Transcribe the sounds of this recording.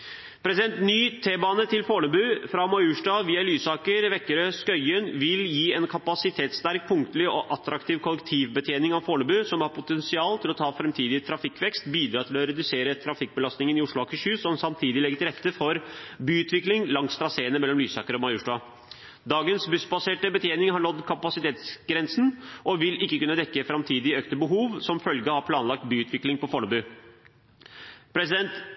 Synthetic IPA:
pʰɾɛsɪd̪ɛnt̪nyːt̪ʰeːbɑːnət̪ʰɪlfoːɳəbʉːfɾɑmɑʉːʂɖɑːʋiːɑlyːsɑːkəɾʋɛkːəɾəskœʏənʋɪljiːɛnkʰɑpɑsɪt̪ʰeːt̪st̪æɾk̚pʰʊŋkt̪əlɪɔʔɑt̪ɾɑkt̪ʰiːʋkʰɔlɛkt̪ʰiːʋbət̪ʰjeːnɪŋɑʋfoːɳəbʉːsɔmhɑɾpʰʊt̪ʰɛnsɪɑːlt̪ʰɪlɔt̪ʰɑːfɾɛmt̪ʰiːd̪ɪt̪ʰɾɑfɪkːʋɛkst̪biːd̪ɾɑːt̪ʰɪlɔɾɛd̪ʉseːɾət̪ʰɾɑfɪk̚bəlɑst̪nɪŋənɪʊʂɭʊɑkʰɪçʉːsɔmsɑmt̪ʰiːd̪ɪlɛɡːət̪ɪlɾɛt̪ːəfɔɾbyːʉːt̪ʰʋɪklɪŋlɑŋst̪ɾɑseːnəmɛlːɔmlyːsɑːkəɾəɔmɑjʊʂɖɑ | d̪ɑːɡənsbʉsbɑseːʈəbət̪ʰjeːnɪŋɦɑɳɔd̪kʰɑpɑsɪt̪ʰeːt̪sɡɾɛnsn̩ʔɔʋɪlɪkːəkʉnːəd̪ɛkːəfɾɑmt̪ʰiːd̪ɪœkt̪əbəɦuːʋsɔmfœlɡəhɑɾpʰlɑːnlɑk̚t̪byːʉːt̪ʋɪklɪŋpɔfɔɳəbʉː | pʰɾɛsɪd̪ɛnt̪

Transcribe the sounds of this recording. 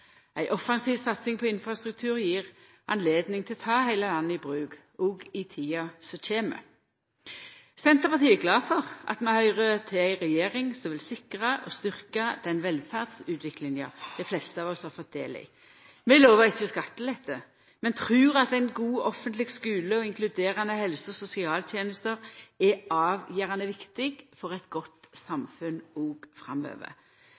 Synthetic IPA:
æɪʔɔfɑnsiːʋsɑt̪sɪŋpʰɔɪnfʁɑst̪ʁʉk̚t̪ʰʉːʁjiːʁ | ɑnleːd̪nɪŋt̪ʰɪlɔt̪ʰɑːhæɪləlɑnːəɪbʁʉːɡ | ɔɡɪt̪ʰiːɑsɔc͡çeːmə̰ | sɛnt̪əʁpɑʁt̪ʰiːæɡlɑːfɔʁʔɑ̰t̪mɛhœʏʁət̪ʰɪæɪʁɛjeːʁɪŋsɔmʋɪlsɪkʁəʔɔst̪ʏʁkɑd̪̥ɛnʋɛlfæʁd̪sʉːt̪ʰʋɪklɪŋjɑ̰d̪̥æɪflɛst̪əɑːʋɔshɑʁfɔt̪̚d̪ḛːlɪ̰ | mɛɪloːʋəʁɪçːəɔskɑt̪ːəlɛt̪ʰːə | mɛnt̪ʰɾʉːʁɑt̪æɪnɡuːɔfːənt̪lɪɡskʉːləɔɪŋklʉd̪eːɾɑnəhɛlsəɔsʊsɪɑːlt̪ʰjeːnəst̪əʁɛɑːʋjiːʁɑnəʋɪkt̪ɪɡfɔʁɛɪt̪ɡɔt̪sɑmfʉnoːɡfʁɑ̰mø̰ːʋə̰

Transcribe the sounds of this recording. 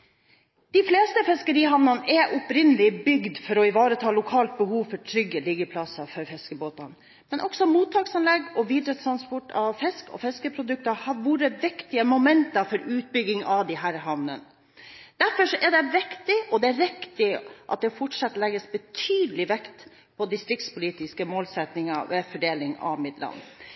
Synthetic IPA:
d̪̥ɪfleːst̪əfɛskəɾiːɦɑʋnɑnəʔɛʔɔpɾɪnːəlɪbʏɡd̪fɔɾɔɪʋɑːɾət̪ʰɑːlʊkʰɑːlt̪̚bəhuːʋfɔʈʰɾʏɡəliɡəpʰlɑsɑfɔɾfɛskəboːt̪ɑn | mɛnʔɔksɔmuːt̪ʰːɑːksɑnlɛɡɔʋiːd̪ɾət̪t̪ʰɾɑnspʰɔʈɑʋfɛskɔ̰fɛskəpʰɾʊd̪ʉk̚t̪ɑhɑɾʋuːɾəʋɪkt̪ɪəmʊmɛnt̪ɑfɔɾʉːt̪̚bʏɡɪŋɑʋd̪ɪɦæːɾɦɑʋnə̰n | d̪̥æɾfɔʂɔʔæɖɛʋɪkt̪ɪɔd̪ɛæɾɪkt̪ɪʔɑ̰t̪̚d̪ɛfɔʈʂɑt̪lɛɡəsbət̪ʰyːd̪əlɪʋɛkt̪ | pʰɔd̪ɪst̪ɾɪkt̪spʊliːt̪ɪskəmoːlsɛt̪nɪŋɑʋɛfɔɖeːlɪŋɑ̰ʋmɪd̪lɑ̰n

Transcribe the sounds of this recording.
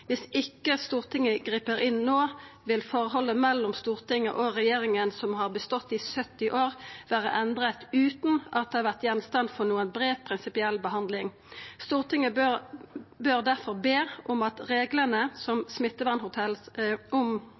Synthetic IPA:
ʋɪsɪkːəst̪uːʁt̪ʰɪŋːəɡʁiːpəɾɪnːoːʋɪlfɔʁəɦɔlːəmɛlːɔmst̪uːʁt̪ɪŋːə̰ʔɔʁɛjeːʁɪŋənsɔmhɑʁbəst̪ɔt̪ːɪsœt̪ːɪʔoːʁʋæːʁə̰ʔɛnd̪ʁət̪ʉːt̪n̩ʔɑt̪̚d̪ɛhɑʁʋæʁt̪jɛnst̪ɑnfɔʁnuːənbɾeːʋpʰʁɪnsɪpɪɛlbəɦɑnd̪lɪŋ | st̪uːʁt̪ʰɪŋəbø | bøʁd̪æʁfɔʁbeːʔɔmɑt̪ʁeːɡlənəsɔmsmɪt̪ːəʋæʁnhʊt̪ʰɛlsɔm

